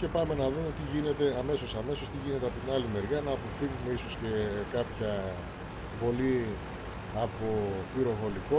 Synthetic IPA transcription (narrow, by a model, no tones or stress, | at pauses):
ce̞pɐme̞nɐðume̞t̪iʝine̞t̪e̞ɐme̞so̞sɐme̞so̞st̪iʝine̞t̪eɐpo̞t̪inɐlime̞ɾʝɐnɐːpo̞fiɣume̞iso̞sce̞kɐpçɐ | vo̞li | ɐpo̞piɾo̞ɣo̞liko